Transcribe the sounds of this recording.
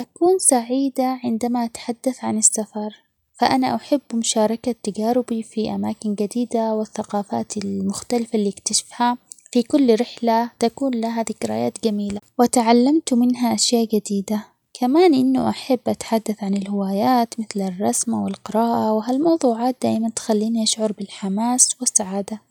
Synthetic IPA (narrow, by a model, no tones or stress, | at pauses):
ʔakuːnsaʕiːd̪aʕɪnd̪amaʔat̪ḁħad̪ːaθʕanɪsːafɑɾˤ | faʔanaʔaħɪbːmʊʃɑːɾˤɑkat̪ːaɡaːɾɪbifiʔamaːkɪnɡad̪iːd̪awɪθːaqɑːfa̰ːt̪ɪlmʊxt̪alɪfalːiːɪkt̪aʃɪ̥fhafikʊlːɾɪħlat̪akuːnlaɦaðɪkɪɾa̰ːja̰ːt̪ɡamiːlawɪt̪aʕalːamt̪mɪnɦaʔaʃjaːʔɡad̪iːd̪a | kʰamaːnʔɪnːṵʔaħabːʔat̪ħad̪ːaθʕanɪlhɪwaːjaːt̪mɪθlɪrˤːɑsmawɪlqɪɾɑːʔawɪɦalmɑwðˤuːʕaːt̪̚d̪aːʔmant̪xalːiːniʔaʃʕʊɾˤbɪlħamaːswɪsːaʕaːd̪a